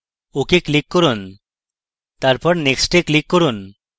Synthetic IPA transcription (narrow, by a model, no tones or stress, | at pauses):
okeklikːɔɾun | t̪aɾpɔɾneksʈeklikːɔɾun